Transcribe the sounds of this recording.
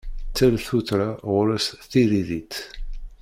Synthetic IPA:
t͡sːælθuθɾaʁʊɾæsθiɾiðit̪

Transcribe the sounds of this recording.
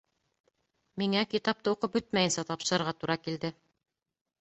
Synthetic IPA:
miŋækit̪ɑp̚t̪ɤuqɤp̚bɵt̪̚mæjɘ̆nsæt̪ɑpʃɤ̆ɾɤ̆ɾʁɑt̪uɾɑkild̪ɘ

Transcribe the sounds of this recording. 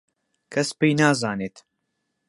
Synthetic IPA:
kʰɐspejnaːzaːneːt̪

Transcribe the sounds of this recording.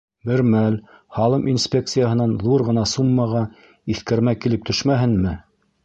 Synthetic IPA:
mɘ̆ɾmæl | hɑlˠɤmʔinsʲpʲe̞k̚t̪sɨjaɦɤ̆nɑnðuɾʁɤ̆nɑsumːɑʁɑ | iθkæɾmækilɘp̚t̪ɵ̆ʃmæɦɘnmɘ

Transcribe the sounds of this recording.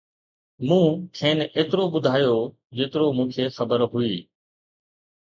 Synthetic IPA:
mũːkʰeːneːt̪ɾoɓʊd̪ʱaːjoː | d͡ʑeːt̪ɪɾoːmũːkʰeːxəbəɾɦʊiː

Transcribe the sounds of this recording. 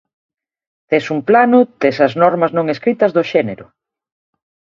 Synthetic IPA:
t̪esumplanʊt̪esɐznɔɾmɐznõŋeskɾit̪ɐzðoʃɛneɾʊ

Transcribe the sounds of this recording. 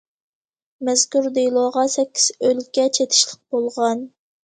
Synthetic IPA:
mɛzkʲuɾd̪ejlˠoʁɑsɛkʲːi̥z̥ølkʲɛt͡ʃʰet̪ʰɪ̥ʃlˠəq̚b̥olˠʁɑn

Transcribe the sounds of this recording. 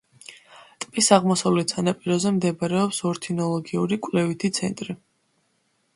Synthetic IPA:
t̪ʼpʼisaʁmɔsavlɛt̪sanapʼiɾɔzɛmd̪ɛbɾɛɔpsɔɾt̪ʰinɔlˠɔɡiuɾikʼlɛvit̪ʰit̪sʰɛ̰nt̪ʼɾi

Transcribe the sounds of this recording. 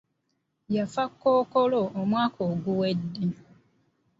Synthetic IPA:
jafakːokoloomwaːkʰoːɡuwedːe

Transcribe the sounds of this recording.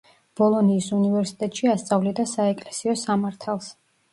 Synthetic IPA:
b̥ɔlˠɔniːsunivɛɾsi̥t̪ʼɛt̪ʼʃiast̪sʼavlɛd̪asaɛkʼlɛsiɔsamaɾt̪ʰalˠs

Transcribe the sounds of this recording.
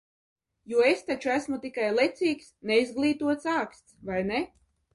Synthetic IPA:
juɔest̪at͡ʃuæsmut̪ikajlˠet̪siːksneizɡlˠiːt̪uɔt̪saːkst̪svajne

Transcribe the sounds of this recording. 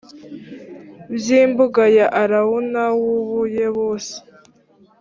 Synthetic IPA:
bjiːmbuɡajaʔaɾawunawuβujeβoːse̥

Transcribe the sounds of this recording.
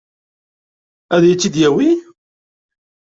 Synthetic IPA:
æðjit͡sːid̪jæwi

